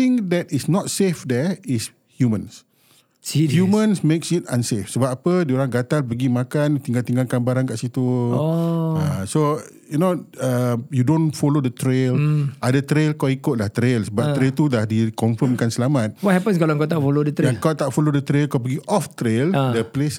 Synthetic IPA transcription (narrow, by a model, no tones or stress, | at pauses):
t̪ĩŋdɛtisnɔt̚sefdɛis | hjumə̃ns | hjumə̃nsmeksit̪̚ãnsefsəbapapədioɾaŋɡat̪alpəɡimakant̪ĩŋɡalt̪iŋɡalkanbaɾankaʔsit̪u | aso | junoəjudõnfɔlodət̪ɾelʔadat̪ɾelkawikʊt̚laht̪ɾelsbat̪ɾelt̪ulahdikɔ̃nfəmkansəlamat̪̚wɔt̚hɛpə̃nskaloəŋkat̪aʔfolodət̪ɾãŋkawt̪aʔfɔlodət̪ɾelkawp̬əɡiʔɔft̪ɾeldəples